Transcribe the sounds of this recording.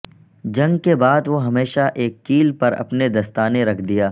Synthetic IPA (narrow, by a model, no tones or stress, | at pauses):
d͡ʒɐ̃ŋɡkebaːd̪ʋoɦɐmeːʃaʔeːkːiːlpɐɾɐ̰pned̪ɐst̪aːneɾɐkʰd̪ijaː